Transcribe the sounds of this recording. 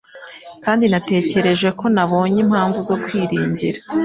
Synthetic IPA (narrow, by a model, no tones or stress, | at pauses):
kaːndinate̞ːce̞ɾe̞ʒwe̞ko̞naβo̞ːɲemhaːɱvuzo̞kwiːɾiːɲɟiɾa